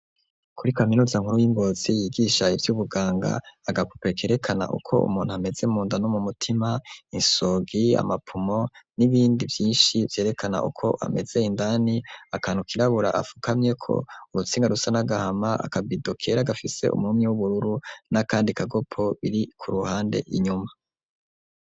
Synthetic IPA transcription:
kʰuɾikaminuːzaŋhuɾujiŋɡo̞ːz̥ijiɡiːʃaivjuβuɡaːŋɡa̰ːɡapu̥pekʰe̞ːɾe̞kʰana̰ʔṵkʰo̞̰ṵmuːnhuame̞ze̞umuːndanomumutʰimainso̞ɡia̰mapʰumo̞niβiːndivjiːnʃivje̞ːɾe̞kʰana̰ʔṵkʰo̞ʔa̰me̞z̥e̞indaniakanukiɾaβuɾaʔa̰fu̥kamɲe̞kʰo̞̰uɾut͡siːŋɡaɾusanaɡahamaa̰kabidokʰe̞ɾaɡafise̞̰ʔṵmumɲewuβuɾuɾunakaːndikʰaɡo̞pʰoβiɾikʰuɾuhaːnde̞̰ʔiɲuma

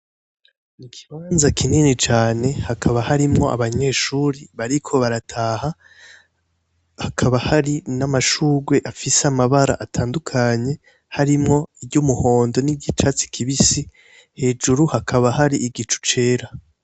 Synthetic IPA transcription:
nikʰi̥βaːnzakʰininit͡ʃaːne̞hakʰaβahaɾimŋo̞̰ʔa̰βaɲe̞ːʃuːɾiβaɾikʰo̞βaɾatʰaːha | hakʰaβahaɾinamaʃuːɡwe̞ʔafiseamaβaɾa̰ʔatʰaːndukʰaɲe̞ | haɾimŋo̞ibɟumuho̞ːndo̞nibɟit͡ʃat͡si̥kʰiβisi | he̞ːd͡ʒuɾuhakʰaβahaɾiʔiɡit͡ʃu̥t͡ʃe̞ːɾa

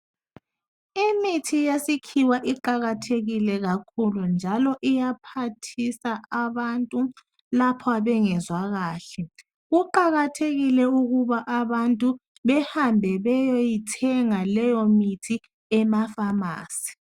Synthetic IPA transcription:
imitʰijesikʰiwaʔiǃaɣatʰeɣilɛɣakʰulund͡ʒʱalɔʔijapʰatʰisaʔaβantʼu | lapʰɔaβɛŋɛzwaɣaːɬɛ | ɣuǃaɣatʰeɣilɛuɣuβaʔaβantʼu | βɛhambʱɛβɛjojitʰɛŋalɛjɔmitʰi | ɛmafama̰ːsi̥

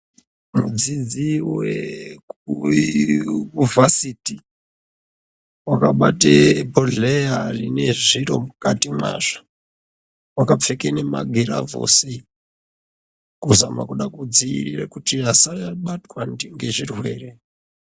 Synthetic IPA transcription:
mṵd͡zid͡ziwe | uvasiti | wakaɓatebʱoɮejarine̞ʐiɾo̞̰mukatimwa̰ːʐḁ | wakap͡fekene̞ma̰ɡʱiɾa̰vo̞̰se | kuzama̰kuɗakud͡ziḭrirekutiasajaɓatkwandiŋɡe̞ʐirwe̞ːre

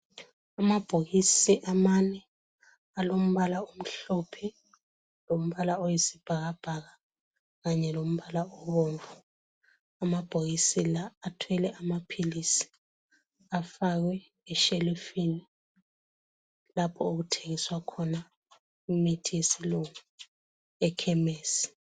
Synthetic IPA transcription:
amab̥ʱoɣisiʔamanɛ | alom̩βalaom̩ɬɔpʰɛ | lom̩βalaojesib̥ʱaɣab̥ʱaɣa | ɣaɲɛlom̩βalaɔβoːɱvu | amab̥ʱoɣisilaːtʰwɛlɛʔamapʰilisi̥ | afaɣwɛː | ʃelufini | lapʰɔoɣutʰeŋiswakʰɔna | imitʰijesiluŋu | ɛkʰɛmeːsi̥

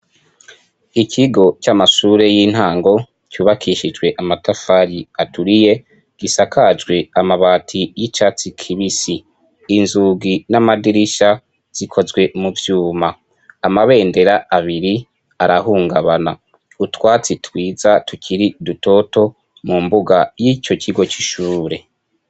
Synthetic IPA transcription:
ikʰiɡo̞t͡ʃamaʃuːɾe̞jiːn̥haːŋɡo̞ | cuːβakʰiʃid͡ʒɡwe̞ʔamatafaɾiatʰuɾije̞ | ɡ̥isakʰad͡ʒɡwe̞amaβaːtʰijit͡ʃat͡sikʰiβisiː | nzuːɡinamadiɾiʃa | z̥ikʰo̞zɡwe̞muvjuːmaː | maβe̞ːnde̞ɾaaβiɾi | aɾaɦuːŋɡaβana | utwaːt͡sitʰwiːzatucʰiɾiduto̞to̞ | mumbuɡajico̞cʰiɡo̞t͡ʃiʃuːɾe̞

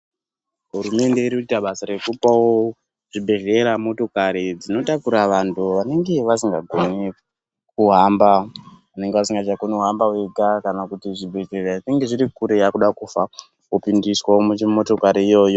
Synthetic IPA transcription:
ɦurume̞nde̞iɾiuitaɓasaɾe̞kupawo | ʐ̥ibʱe̞ʒeɾamo̞to̞kaɾid͡zino̞takuɾaʋantʰuʋane̞ŋɡe̞ʋasiŋɡaɡʱo̞ne | kuɦambaʋane̞ŋɡeʋasiŋɡat͡ʃaɡoneuɦambaweɡʱakanakutiʐibʱe̞ɮeraʐineŋɡe̞ʐiɾikuɾe̞jakuɗakufa | kupindiswawomumo̞to̞kaɾiijo̞ːjo̞

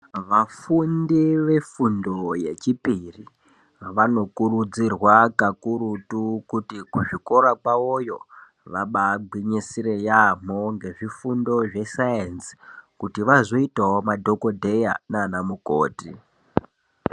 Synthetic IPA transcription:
ʋafundiʋe̞fundo̞je̞t͡ʃipiri | ʋano̞kurud͡zirwakakuɾutukutikuʐiko̞ɾakwaojo̞ | ʋaɓaɡ͡bʱwiɲisirejam̤oŋɡe̞ʐifundo̞ʐe̞sajensi̥kutiʋazo̞itaomadʱo̞ko̞dʱeja̰naːnamuko̰ːtḭ

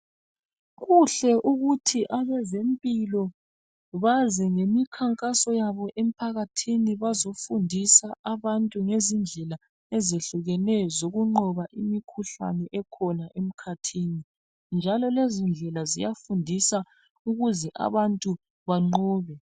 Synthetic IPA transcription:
ɣuɬɛʔuɣutʰiʔaβɛzempʼilɔ | βazɛŋemikʰaŋkʼasɔjaβɔʔem̩pʰaɣatʰiniβazofundʱisaʔaβantʼuŋezind͡ɮʱɛla | ɛzeɬuɣɛnɛzoɣuŋ͡ǃɔβaʔimikʰuɬa̰nɛʔɛkʰɔnaʔem̩kʰatʰiːni | nd͡ʒʱalɔlezind͡ɮʱɛlazḭjafundʱisa | uɣuzɛʔa̰βantʼu | βaŋ͡ǃɔːβɛ

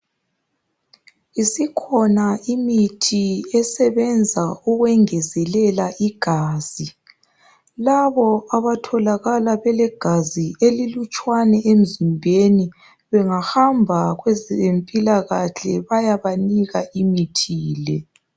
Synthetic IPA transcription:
isikʰɔnaimitʰiɛsɛβɛnd͡zʱauɣwɛŋɛzɛlɛlaʔiɡ̥ʱaːz̥i | laβɔaβatʰɔlaɣalaβɛlɛɡ̥ʱazielilut͡ʃʼwanɛʔem̩zimbʱeni | βɛŋahambʱaɣwɛzempʼilaɣaɬɛβajaβaniɣaimitʰiːlɛ

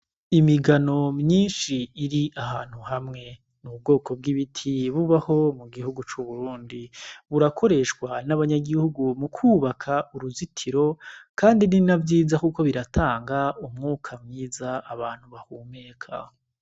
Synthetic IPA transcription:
imiɡano̞mɲiːnʃiiɾiʔaɦaːn̥huhamŋe̞ | nub̚ɡo̞ːkʰo̞b̚ɡiβitʰiβuβaho̞muɡihuɡut͡ʃuβuɾuːndiβuɾakʰo̞ɾe̞ʃkwanaβaɲaɡihuɡumukʰuːβakʰaʔuɾuzitʰiɾo̞kʰaːndininavjiːzakuko̞βiɾatʰaːŋɡaumŋuːkʰamɲiːzaaβaːn̥huβahuːme̞ːkʰa̰

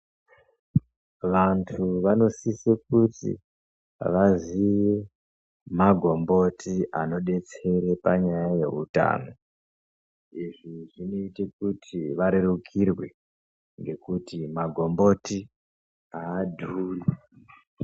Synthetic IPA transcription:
ʋantʰuʋano̞sisek̚utḭ | ʋaziʋe | maɡʱo̞mbo̞tiʔano̞ɗe̞t͡se̞ɾe̞paɲajaje̞ɦṵta̰ːno̞ | iʐiʐino̞itekutʰiʋaɾerukʰirwe̞ | ŋɡe̞kutimaɡʱo̞mbo̞ti | aːdʱuːle

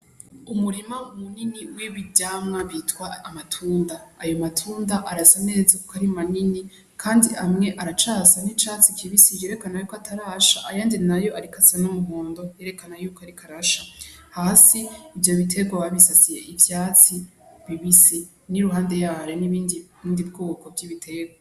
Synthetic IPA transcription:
umuɾimaumuniniwiβiɟaːmŋaβiːtwaːmatʰuːndaːjo̞matʰuːndaʔaɾasane̞ːzakukʰaɾimanini | kʰaːndiamŋe̞ʔaɾat͡ʃasanit͡ʃaːt͡sikʰiβisije̞ɾe̞kanajuːkoatʰaɾaʃaʔajaːndinajo̞aɾikʰasanumuɦoːndo̞je̞ɾe̞kanajuːkʰoaɾikʰaɾaʃa | haːsiːvjo̞βitʰe̞ɡwaβaβisat͡sije̞ʔivjaːt͡siβiβisi | niɾuɦaːnde̞jaːɾeniβindiindib̚ɡoɡokʰo̞bɟiβitʰe̞ɡwa

